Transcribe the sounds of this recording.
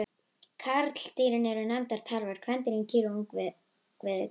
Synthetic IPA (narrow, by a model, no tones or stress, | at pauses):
kʰaɾt̪l̥t̪iɾɪnɛɾʏnajmt̪aɾ̥t̪ʰaːlvɛɾ̥kʰɾɛnt̪ɪɾincʰiːɾuŋkvɪ | kvɪð